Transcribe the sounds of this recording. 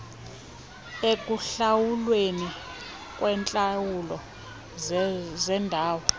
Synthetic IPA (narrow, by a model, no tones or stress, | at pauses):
ek̬ʼuɬawulweni | kʼwɛnt͡ɬʼawulɔ | zɛndʱaːwɔ